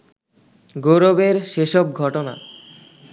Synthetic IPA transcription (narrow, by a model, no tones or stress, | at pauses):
ɡoɾobeɾʃeʃob̚ɡʱɔʈona̰